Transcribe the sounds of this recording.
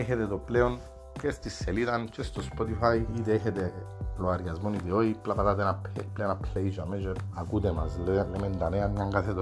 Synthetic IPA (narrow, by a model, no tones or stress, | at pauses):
eçet̪et̪opleon | cest̪isːelit̪ɐnt͡ʃest̪ospot̪ifajit̪eeçet̪eploaɾɡɐzmonid̪eoiplapat̪at̪enapplenapleizameʒeɐkut̪emɐzlelemend̪ɐaneanɲaŋɡaθet̪o